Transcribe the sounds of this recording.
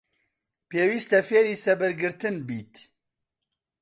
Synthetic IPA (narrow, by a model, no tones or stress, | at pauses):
peːwiːst̪ɐfeːɾiːsɐbɨɾɡɨɾt̪ɨnbiːt̪